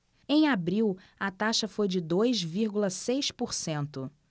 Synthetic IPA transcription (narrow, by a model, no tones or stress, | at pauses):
ẽj̃abɾiw | ɐt̪aʃɐfojd͡ʒɪd̪ojzviɾɡulɐsejspoɾsẽnt̪ʊ